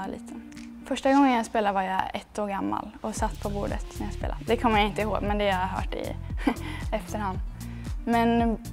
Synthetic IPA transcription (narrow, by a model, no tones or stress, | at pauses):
lḭːt̪ʰə | fœʂʈaɡɔŋːənjaspeːlaəvaɾjaɛt̪ːoːɾɡamːa̰lɔsat̪ːpʰɔbṵːɖə̰t̪næɾjaspḛːla̰d̪ɛkʰɔmːəjaɪnt̪əɪhoːɡmɛnd̪ɛjɑɦœ̰ːʈɪ̰ | ɛft̪əɾhand̪ | mɛn